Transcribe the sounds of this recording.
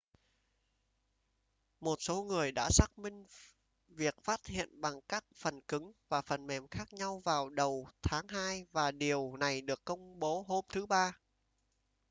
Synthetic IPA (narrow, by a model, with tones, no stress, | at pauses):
mo˨˩t̚so˨˦ŋɨ˨˩əjɗa̰ː˧˥saː˦˥k̚mï˧ŋ̟ | vi˨˩ək̚faː˦˥t̚hḭ˧˨ənɓa˨˩ŋkaː˦˥k̚fə˨˩nkɨ˨˦ŋvaː˨˩fə˨˩nmɛ˨˩mxaː˦˥k̚ɲa˧wvaː˨˩wɗə˨˩wt̪ʰaː˨˦ŋɦaː˧jvaː˨˩ɗi˨˩əwna˨˩jɗɨ˨˩əkːə˧wŋ͡mɓo˨˦ɦo˧mt̪ʰɨ˨˦ɓaː˧